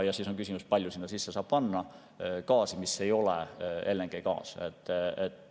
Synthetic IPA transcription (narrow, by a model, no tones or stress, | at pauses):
jɑsiːso̞ŋkys̬ʲimuspɑlʲjusinːɑsisːesɑːb̥pɑnːɑ | kɑːsimisːe̞jo̞lḛe̞lːeŋɡ̥ejkɑ̰ːset̪ːet̪ː